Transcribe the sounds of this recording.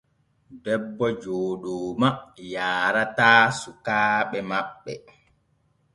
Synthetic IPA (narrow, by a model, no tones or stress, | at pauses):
bɛbːɔd͡ʒoːɗoːmajaːɾataːsukaːɓɛmaɓːɛ